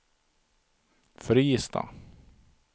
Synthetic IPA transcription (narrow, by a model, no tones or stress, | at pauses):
fœɾiːjɪst̪a̰